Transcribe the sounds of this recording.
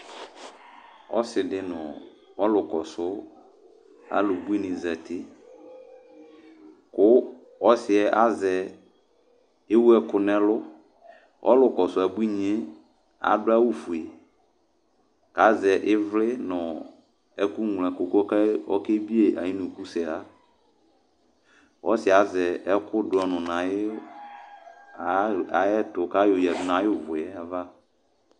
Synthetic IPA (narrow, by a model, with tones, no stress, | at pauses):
ɔ̰˦sɪ˨dɪ˦nʊ̰̃˨ | ɔ˦lʊ˨kɔ˨sʊ˦ | a̰˨lʊ˨bu˦i˦nɪ̃˨za˨tɪ˦ | kʊ˦ | ɔ˦sɪ˨ɛ˦ʔa˦zɛ˨ | e˦wu˦ɛ˦kʊ˨nɛ̃˦lʊ˦ | ʔɔ̰˦lʊ˨kɔ˨sʊ˦a˨bu˦i˦ɲɛ̃˦ | a̰˨dʊ˦a˦wu˦fu˨e˨ | ka˨˦zɛ˨ʔɪ˦vlɪ˦nʊ̃˨ | ɛ˦ku˦ŋ˨lɛ˨ko˨kkɛ˦ɔ̰˦ke˦bi˦e˨ʔa̰˨ji˦nʊ̃˨ku˦sɛ˨la˦ | wʔɔ˦sɪ˨a˨zɛ˨ɛ˦kʊ˦dʊ˨˦ɔ˨nʊ̃˨nã˨ɪ˦ | a˨a˨˦ɛ˦tʊ˨ka˦jo˨jɛ˨dʊ˦nã˨˦jʊ˦˨vʊ˨ɛ˦a˨va˦